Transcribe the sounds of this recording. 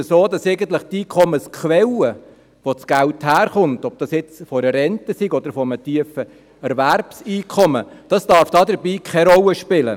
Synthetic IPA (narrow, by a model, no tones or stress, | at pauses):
əsoːdɑsɛɪɡən̩t̪ləχt̪iːkʰɔməskʰwɛlə | ʋot͡sɡ̥ælthæːɾχʊntɔb̚d̥ɑsjɪt͡sfɔɾəɾɛntəsiɡɔd̪əɾfɔəmətiəfə | ɛɾʋærpsiːkʰɔməd̥ɑsd̥ɑɾfd̥ɑːdəɾbiːkχɛɾɔləʃpɪlə̰